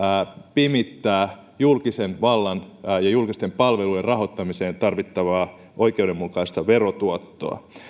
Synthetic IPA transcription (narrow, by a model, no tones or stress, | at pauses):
pimit̪ːæː | julkisenʋɑlːɑnːjɑjulkist̪empɑlʋeluierɑɦot̪ːɑmiseːnt̪ɑrʋit̪ːɑʋɑː | ʔo̞jkeuwdemːukɑist̪ɑʋerot̪uot̪ːo̰ɑ̰